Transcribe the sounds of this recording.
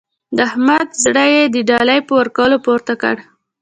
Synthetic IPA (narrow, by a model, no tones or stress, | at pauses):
d̪əahmad̪zɽajed̪əɖɑlajpəwaɾkawəlopoɾt̪akə̰ɽ